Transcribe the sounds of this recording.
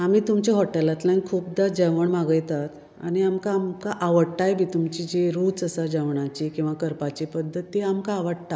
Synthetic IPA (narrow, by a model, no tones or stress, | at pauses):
amiːt̪umt͡ɕeɦɔʈelat̪lãnkʰuːp̚d̪ad͡ʑəʋəɳmaɡəjt̪at̪ | a̰ɽ̃iamkaːmkaʔaʋəɽʈajbʱiːt̪umt͡ɕid͡ʑeɾuːt͡səsad͡ʑəʋɳat͡ɕikĩw̃ʋakəɾpat͡ɕipəd̪ʱːət̪ːiamkaːʋəɽt̪a